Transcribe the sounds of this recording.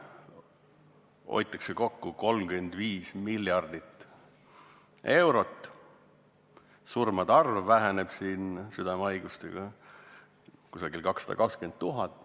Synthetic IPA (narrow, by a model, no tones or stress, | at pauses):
o̞̰jt̪ːˑɑkseko̞kːuko̞lmɡyend̪̥viːsmilːjɑrd̪̥it̪ː | e̞wɾo̞t̪ː | surmɑd̪̥ɑrvːæɦæneb̥siːnsyd̪ɑmɑjɡ̥ust̪ḛɡ̥ɑ | kusɑɡilkɑksɑd̪ɑ̰kɑkskent̪̚t̪ːuɦɑt̪ːˑ